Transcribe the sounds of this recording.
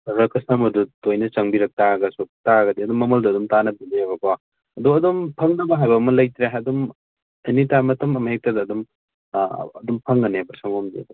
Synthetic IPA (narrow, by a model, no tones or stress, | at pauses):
ɾɐkɐsɐmɐdutojnɐt͡ʃɐŋbiɾɐk̚taɡɐsop̚taɡɐdiɐdumːɐmɐldɐːdumtanɐbinebɐka | ɐduɐdumpʰɐŋnɐbɐɦajbɐːmɐlɐjt̪ɾeɐdum | ɐjnitamɐtʰɐmɐmɦek̚tɐdɐːdum | ɐdumpʰɐŋːɐnebɐɾsɐŋomdḭɐ̰du